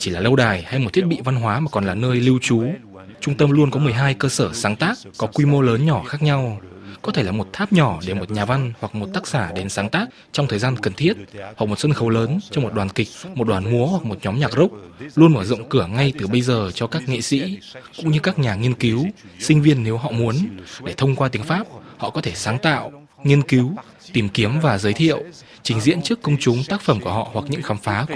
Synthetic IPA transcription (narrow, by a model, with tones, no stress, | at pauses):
t͡ɕi˧˩laː˨˩lə˧wɗaː˨˩jha˧jm˨˩t̪ʰi˦˥t̚ɓḭ˧˨va˧nɦwaː˨˦maː˨˩kɔ˨˩nlaː˨˩nəː˧jli˧wt͡ɕu˨˦ | t͡ɕʊ˧ŋ͡mt̪ə˧mlu˧ənkɔ˨˦mɨ˨˩əjɦaː˧jkəː˧səː˧˩saː˨˦ŋt̪aː˦˥kːɔ˨˦kwi˧mo˧ləː˨˦nɲɔ˧˩xaː˦˥k̚ɲa˧wkɔ˨˦t̪ʰe˧˩laː˨˩mo˨˩t̚t̪ʰaː˦˥p̚ɲɔ˧˩ɗe˧˩mo˨˩t̚ɲaː˨˩va˧nhwa˨˩k̚mo˨˩t̚t̪aː˦˥k̚saː˧˩ɗe˨˦nsaː˨˦ŋt̪aː˦˥k̚ | t͡ɕɔ˧wŋ͡mt̪ʰəː˨˩jzaː˧nkə˨˩nt̪ʰi˦˥ət̚hwa˨˩k̚mo˨˩t̚swə˧nxə˨˩wləː˨˦nt͡ɕɔ˧ŋ͡mmo˨˩t̚ɗwaː˨˩nkï˨˩k̟̚mo˨˩t̚ɗwaː˨˩nmu˨˦əhwa˨˩k̚mo˨˩t̚ɲɔ˨˦mɲaː˨˩k̚zə˦˥wk͡p̚lu˧ənməː˧˩zɔ̰˧˨wŋ͡mkɨ˧˩əŋa˧jt̪ɨ˨˩ɓə˧jzəː˨˩t͡ɕɔ˧kaː˦˥k̚ŋḭ˧˨sḭ˧˥kʊ̰˧˥ŋ͡mɲɨ˧kaː˦˥k̚ɲaː˨˩ŋi˧ənki˨˦wsï˧ŋ̟vi˧ənːe˨˦wɦɔ̰˧˨mu˨˦ənɗe˧˩t̪ʰə˧wŋ͡mkwaː˧t̪i˨˦əŋfaː˦˥p̚hɔ̰˧˨kɔ˨˦t̪ʰe˧˩saː˨˦ŋt̪a̰ː˧˨w | ŋi˧ənki˨˦w | t̪i˨˩mki˨˦əmvaː˨˩zəː˨˦jt̪ʰḭ˧˨əw | t͡ɕï˨˦ŋ̟zḭ˧˥ənt͡ɕɨ˦˥əkːə˧wŋ͡mt͡ɕʊ˨˦ŋ͡mt̪aː˦˥k̚fə˧˩mku˧˩əɦɔ̰˧˨hwa˨˩k̚ɲɨ̰˧˥ŋxaː˨˦mfaː˨˦